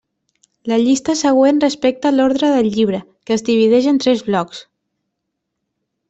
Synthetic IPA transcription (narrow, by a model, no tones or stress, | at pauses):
ləʎist̪əsəɣ̞wenrəspek̚t̪əloɾðɾəðəlːiβ̞ɾə | kəːzðiβ̞iðɛʒənt̪ɾɛzβlɔks